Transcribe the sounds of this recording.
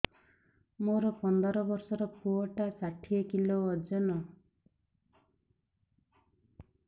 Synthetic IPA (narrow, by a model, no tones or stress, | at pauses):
moɾɔpɔnd̪ɔɾɔbɔɾsɔɾɔpʰuɔʈasaʈʰiekiloɔd͡ʒɔnɔ